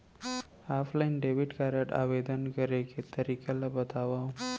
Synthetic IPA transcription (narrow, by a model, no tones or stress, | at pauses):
aflainɖeʋiʈkaɾaʈa̰ʋed̪ənkəɾeket̪əɾikalabət̪aʋa